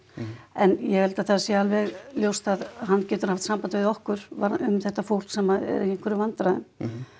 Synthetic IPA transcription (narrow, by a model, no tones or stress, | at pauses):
ɛnjɛhɛlt̪aθaðasɛalvɛɣljowst̪aðɦanːcɛːt̪ʏɾ̥haft̪sampant̪ɪɪðɔhkʏɾ̥vaʏmθɛht̪ːafowl̥ksɛmaɛ̰ɾɛŋ̥kʰvɛɾʏvant̪ɾaðʏm